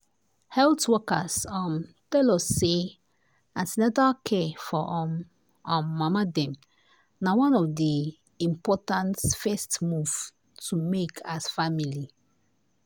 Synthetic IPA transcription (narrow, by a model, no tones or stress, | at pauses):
hɛltwɔkasɔm | tɛlɔse | ãndnɛvakʰɛfɔʔɔm | ãːamadɛ̃m | nawɔ̃nɔvdi | ĩmpɔtãntfɛstmuv̥ | tʰumekʰasfamili